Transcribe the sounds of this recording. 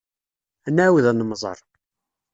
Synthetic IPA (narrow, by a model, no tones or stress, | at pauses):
ænːæwəðænəmzˤə̰ɾˤ